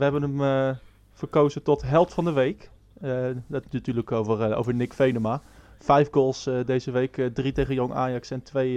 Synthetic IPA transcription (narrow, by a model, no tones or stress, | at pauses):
ʋəɦɛbənəm | v̥ərkowzətɔtɦɛlˠftfɑndəʋejk | dttyːləkovəro̰wvəɹnɪkfejnəmafɛjfɡoːlˠsdejzəʋejkdritejχənjoŋʔa̰ːjɑksɛntʋej